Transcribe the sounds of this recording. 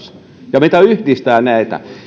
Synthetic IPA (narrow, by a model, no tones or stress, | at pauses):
s | jɑmit̪æyhdist̪æːnæit̪æ̰